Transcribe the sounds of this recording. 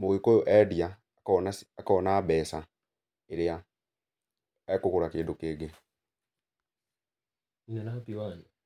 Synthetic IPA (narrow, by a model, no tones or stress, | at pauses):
moɣekojoʔɛdia | nasːkaɔnaːbɛːsa | eɾea | ɛkokuɾakeːndukeːɡe | inɛnapiwaːni